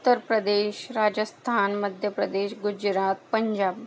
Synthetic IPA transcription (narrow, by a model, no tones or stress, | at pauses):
t̪ːəɾpɾəd̪eːɕɾad͡ʑəst̪ʰanməd̪ʱjəpɾəd̪eːɕɡud͡ʒɾat̪̚pəɲd͡ʑaːb